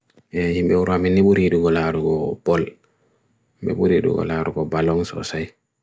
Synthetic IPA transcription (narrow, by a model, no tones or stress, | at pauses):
ʔɛhimbɛuɾamineɓuɾiduɡɔlaɾuɡɔbɔl | hmbɛ̰ɓuɾiːɗṵɡɔ̰laɾuɡɔbalɔŋsɔ̰saj